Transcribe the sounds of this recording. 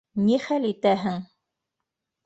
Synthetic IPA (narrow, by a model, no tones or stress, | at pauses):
niχælit̪æɦɘŋ